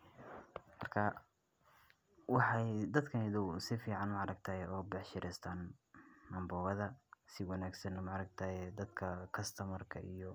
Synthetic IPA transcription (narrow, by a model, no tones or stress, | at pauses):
mɐrkʰɐ | wɑħɑjd̪ɐd̪kʰɐnɪðɔwsɪfiːʕɑnmɑʕɑɾɐɡ̚t̪ʰaːjɛɔːbɛħʃɪɾʔɛst̪ʰaːnː | ɐmbɔːɣɐðɐsɪwɑnaːɡsɐnɐmɑʕɑɾɐɡ̚t̪ʰaːjɛd̪ɐd̪kʰɐkʰɐst̪ʰɐmɐrkʰɐʔijɔ